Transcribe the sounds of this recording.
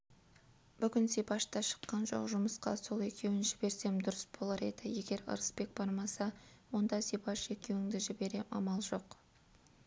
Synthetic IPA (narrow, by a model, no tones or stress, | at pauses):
b̥ʏɡʲɪnsepɑʃt̪ɑʃə̥qːɑnʒo̞̰qʒʊməsqɑ̰so̞lˠe̞kʲe̞wɪnʒɪbe̞ɾse̞md̪ʊɾəsbo̞lˠɑɾe̞̰d̪ɪje̞ɡʲe̞ɾə̰ɾəspe̞k̚bɑɾmɑsɑwo̞nd̪ɑsejpɑʃe̞kʲe̞wɪŋd̪ɪʒɪbe̞ɾe̞ʔɑmɑlˠʒo̞q